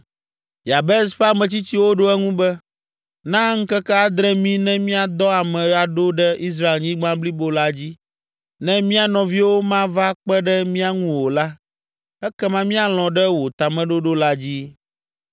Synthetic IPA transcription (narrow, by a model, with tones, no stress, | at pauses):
ja˨bɛ˦sɸa˦mɛ̃˨t͡ɕi˦t͡ɕi˦wo˦ɖo˦ɛ˦ŋũ˦bɛ˦ | nã˦ŋ̩˦kɛ˦kɛ˦a˨d̪ɾɛ˦mĩ˦nɛ̃˦mĩ˦a˨d̪ɔ˦a˨mɛ̃˨˦a˨ɖo˦ɖɛ˦i˦s̬ɾa˦˨e˨lɲĩ˦ɡ͡bã˦bli˦bo˦la˦d͡ʑi˦ | nɛ̃˦mĩ˦a˨nɔ̃˨vi˦wo˦mã˦va˦k͡pɛ˦ɖɛ˦mĩ˦a˨ŋũ˦wo˨la˦ | ɛ˦kɛ˦mã˦mĩ˦a˨l̃ɔ̃˨ɖɛ˦wo˨t̪a˨mɛ̃˦ɖo˦ɖo˦la˦d͡ʑi˦